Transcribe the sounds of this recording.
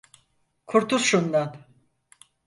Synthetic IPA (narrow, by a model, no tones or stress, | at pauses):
kʰuɾt̪uzʃund̪an